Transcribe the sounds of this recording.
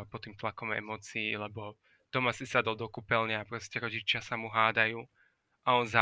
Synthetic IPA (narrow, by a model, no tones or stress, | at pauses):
pɔt̪ːiːmt̪lakɔmɛ̰mɔːt͡siːlɛbɔ | t̪ɔmasisad̪ɔlˠd̪ɔkupɛlɲɛapɾɔscɛɾɔɟit͡ʃɪasamuɦaːd̪ajuː | ʔaɔnza